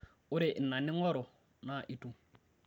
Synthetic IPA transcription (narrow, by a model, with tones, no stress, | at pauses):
ʊ˦ɾɪ˨ʔn̩˨na˨nɪ˦ŋɔ˦ɾɔ˨ | na˨ʔi˦tʼu˦